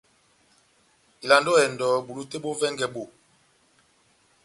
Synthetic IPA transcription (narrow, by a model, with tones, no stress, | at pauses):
i˨la˨ndo˦ɛ˨ndɔ˨ɓu˨lu˦te˦ɓo˦vɛ˦ŋɡɛ˨ɓo˦˨